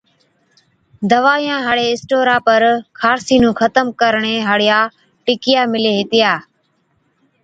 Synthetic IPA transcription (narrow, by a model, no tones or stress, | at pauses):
d̪əʋaːjãːɦaɽeːɪsʈoːɾãːpəɾkʰaːɾsiːnũːkʰət̪əmkəɾɳeːɦəɽɪjaː | ʈɪkɪjaːmɪleːɦɪt̪ɪjaː